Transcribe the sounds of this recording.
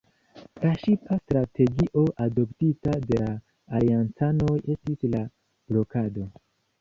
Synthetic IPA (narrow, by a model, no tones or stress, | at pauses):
laʃipastɾatʰe̞ɡiʔo̞ʔado̞ptitade̞laː | liant͡sano̞je̞stisla | b̥lo̞kado̞